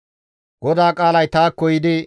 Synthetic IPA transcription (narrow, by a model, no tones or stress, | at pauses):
ɡ̥ɔd̪aːkʼaːlɐjt̪aːkːɔjɪd̪ɪ